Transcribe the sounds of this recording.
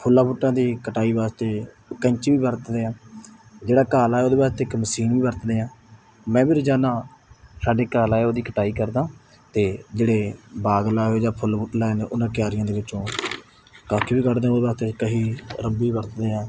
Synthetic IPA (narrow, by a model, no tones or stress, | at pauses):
pʰʊlːãːbuʈːãːd̪iːkəʈaːiːbaːst̪eː | kə̃ɲt͡ʃːʋiːbəɾt̪d̪eːãː | d͡ʒeːɽaːkaːlaːɛːoːd̪eːbaːɾet̪eːɪkməsiːnʋiːbəɾt̪d̪eːãː | mɛ̃ːbɪɾd͡ʒaːnãːsaːɖeːkaːlaːeoːd̪iːkəʈaːiːkəɾd̪ãː | t̪eːd͡ʒeːɽeːbaːɡlaːeːd͡ʒãːpʰʊlbuːʈlaːeneːʔʊnãːkɪjaːɾɪjãːd̪eːʋɪt͡ʃːõː | kaːkʰiːbiːkəʈd̪eãoːd̪ebaːɾet̪eːkəɦiːɾəmbiːbəɾt̪d̪eːãː